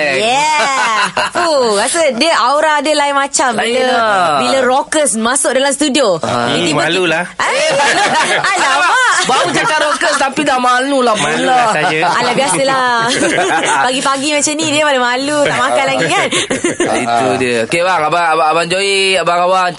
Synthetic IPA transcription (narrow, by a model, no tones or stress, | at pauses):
jɛ | fukasədiəʔawɾaadəlajmat͡ʃambiləbiləɾokəsmasʊk̚dalamst̪udioĩt̪iməlulaa | alababaut͡ʃakaʔɾokəst̪apidahmanulahpulɔʔa̰lahbiasəlah | baɡipaɡimat͡ʃamnidiəpanamalut̪aʔmakanlaɡikanit̪udiəokebaŋabaabaaband͡ʒoiabaŋawan